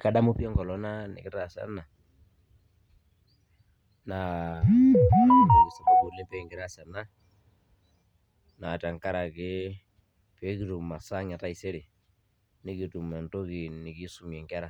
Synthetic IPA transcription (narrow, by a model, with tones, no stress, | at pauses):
ka˨ɗa˦mu˦pjɛ˦ŋɡɔ˨lɔ˦na˦nɪ̰˨kɪ˦ta˨sa̰˦na˨ | na˨ | i˨si˨ku˦ko˨le˦pɛ˨ŋɡi˨ɾa˦sa˨na˦ | na˨ta˨ŋka˦ɾa˨ke˦ | pɛ˦ki˦tu˨ma˨sa˦ŋa˨ta˦i˨se˦ɾe˨ | ni˨˦ki˨tu˨mɛ˨nto˦ki˨ni˨ki˦su˦mjɛ˨ŋkɛ˦ɾa˨